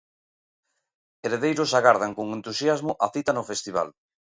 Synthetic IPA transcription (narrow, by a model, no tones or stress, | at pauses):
eɾeðejɾʊsaɣaɾð̞aŋkoŋent̪usjazmʊʔaθit̪anʊfest̪iβ̞a̰l